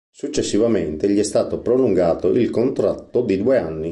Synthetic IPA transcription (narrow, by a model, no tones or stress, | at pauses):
sut͡ʃːesːivament̪eʎiɛst̪aːt̪opɾoluŋɡaːt̪oʔilkont̪ɾat̪ːod̪id̪uːeanːi